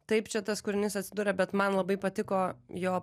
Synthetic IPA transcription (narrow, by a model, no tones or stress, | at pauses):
t̪ɐɪpt͡ʃʲɛt̪ɐskʊɾʲɪnʲɪsɐtʲsʲɪd̪uːɾʲɛbʲɛt̪mɐnlˠɐbɐɪpɐt̪ʲɪkoːjoː